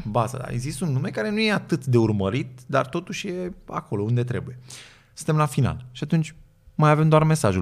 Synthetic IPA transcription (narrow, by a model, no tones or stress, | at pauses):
baza̰d̪a̰ḛɡzist̪unːume̞kaɾe̞nuje̞at̪ɨt̪d̪e̞urməɾit̪d̪a̰rt̪o̞t̪uʃʲje̞a̰ko̞lo̞und̪e̞t̪ɾe̞buje̞ | sɨnt̪e̞mlafina̰lʃiat̪unt͡ʃʲ | majave̞md̪oarme̞saʒu